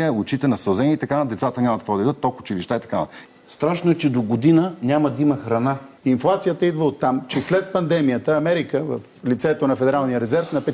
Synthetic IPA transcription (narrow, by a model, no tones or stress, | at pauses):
ɛʊt͡ʃit̪ɛnɐsɐlˠzɛnʲiːt̪ɐkand̪ɛt̪sat̪ənʲɲʲamɐt̪̚kvɔd̪ɐid̪ət̪ːolˠkʊt͡ʃiliʃt̪aɛt̪ɐkanɐ̰ | st̪ɾaʃnoɛt͡ʃɛd̪oɡod̪inənʲamɐd̪imɐxɾɐna | inflˠat̪sijət̪əid̪vəot̪ːamt͡ʃɛslɛt̪̚pɐnd̪ɛmijət̪əɐmɛɾikəvəflit̪sɛt̪onɐfɛd̪ɛɾalˠnijəɾɛzɛɾfnɐpɛ